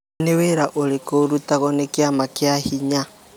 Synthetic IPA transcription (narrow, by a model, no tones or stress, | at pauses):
neweɾaʔoɾekoɾutaɣɔnekjamakjahiɲa